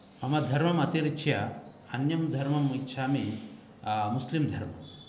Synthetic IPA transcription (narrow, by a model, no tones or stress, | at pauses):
ɐmɐd̪ʱɐɾmɐmɐt̪iɾit͡ʃʰjɐɐnjɐmd̪ʱɐɾmɐmitːʃʰaːmi | muslimd̪ʱɐɾmɐ̰m